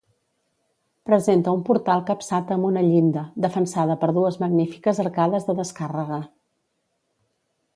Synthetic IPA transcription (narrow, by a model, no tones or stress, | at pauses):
pɾəzent̪əumpuɾt̪alˠkəpsat̪əmbunəʎind̪əd̪əfənsað̞əpəɾðuəzməɡnifi̥kəzəɾkaðəzðəðəskarəɣ̞ə